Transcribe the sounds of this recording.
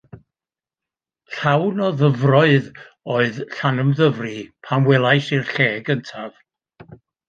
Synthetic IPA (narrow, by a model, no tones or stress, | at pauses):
ɬawnɔðəvrɔɨð | oːɨðɬanəmðəvripʰanwɛlˠajsirɬeːɡəntʰav̥